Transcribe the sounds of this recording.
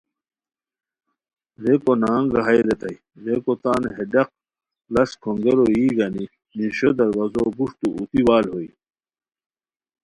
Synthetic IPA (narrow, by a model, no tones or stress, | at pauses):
ɾekonaːŋɡɐɦɐjɾet̪ɐi | ɾekot̪aːnɦeɖɐq̚ | lɐskʰoŋɡeɾoiːɡɐni | niɕod̪ɐɾwɐzoɡuʂt̪uut̪iwaːlɦoi